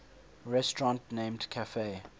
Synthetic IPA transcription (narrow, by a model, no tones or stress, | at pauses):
ɹɛstɹɔ̃ntnẽmdkʰafe